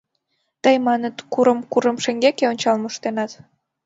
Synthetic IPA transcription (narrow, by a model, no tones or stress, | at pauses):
t̪əjmɑnət̪kuɾəmkuɾəmʃeŋɡekeonʲt͡ɕɑlməʃt̪enɑt̪